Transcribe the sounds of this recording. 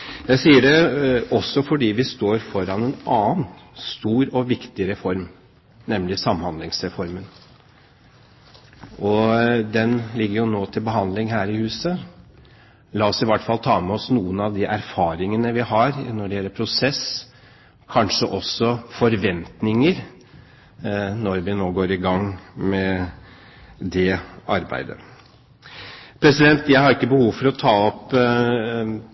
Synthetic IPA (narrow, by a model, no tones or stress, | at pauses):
jæɪsiːəɾɛɔsːɔfɔɖiːʋɪst̪oːɾfɔɾɑnɛnɑːnst̪uːɾɔʋɪkt̪ɪɾɛfɔɾm | nɛmlɪsɑmhɑnd̪lɪŋsɾɛfɔɾmən | ʔɔd̪ɛnlɪɡːəɾjʊnoːt̪ʰɪlbəɦɑnd̪lɪŋɦæːɾɪhʉːsə | lɑːɔsɪʋæʈːfɑlːt̪ʰɑːmɛɔsnuːənɑʋd̪ɪʔæɾfɑːɾɪŋənəʋɪhɑɾnɔɖɛjɛlːəɾpʰɾʊsɛs | kʰɑnʂəʔɔsːɔfɔɾʋɛnt̪nɪŋəɾ | nɔɾʋɪnoːɡoːɾɪɡɑŋːmɛ | d̪ɛɑɾbæ̰ɪd̪ə̰ | pʰɾɛsɪd̪ɛnt̪jæɪhɑɾɪkːəbəhuːʋfɔɾɔt̪ʰɑːɔp